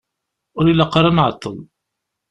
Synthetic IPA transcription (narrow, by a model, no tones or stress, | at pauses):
ʊɾilːaqɾˤɑnʕət̪ˤːəðˤ